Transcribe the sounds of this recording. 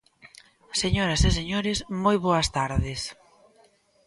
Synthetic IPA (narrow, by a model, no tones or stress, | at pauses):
seɲoɾɐseseɲoɾɪsmojβoɐst̪aɾðɪs